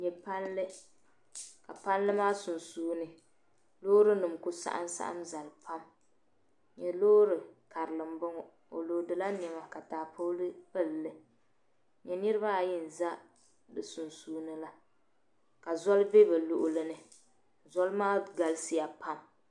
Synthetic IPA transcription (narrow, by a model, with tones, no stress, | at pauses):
ɲɛ˨pa˦nlɨ˦ | ka˨pa˦nlɨ˦maː˦su˨nsuː˦nɨ˨ | lo˦ɾɨ˦nɨ˨mkʊ˦sa̰˦ʔa̰˦n˦sa̰˦ʔa̰˦mza˨lpa˦m | ɲɛ˨loː˦ɾɨ˨ka˨ɾɨ˨lɨ˨m˦bʊ˦ŋɔ˨ | o˨lo˨dɨ˨la˦n˨ɛ˨ma˨ka˨taː˨pʰo˦lɨ˦pɨ˦˨lːɨ˨ | ɲɛ˨nɨ˦ɾɨ˦ba˦˨jɪ˦n̩˨za˦ | dɨ˨su˨nsuː˦nɨ˦la˦ | ka˨zɔ˦lve˦bɨ˨lo˨ʔʊ˦lɨ˦nɨ˨ | zɔ˦lmaː˦ɡa˨lsi˦ja˨pa˦m